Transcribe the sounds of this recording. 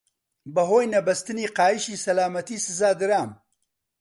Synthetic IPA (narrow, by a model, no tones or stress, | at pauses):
bɐɦoːjnɐbɐst̪ɨniːqaːjɨʃiːsɐlaːmɐt̪iːsɨzaːd̪ɨɾaːm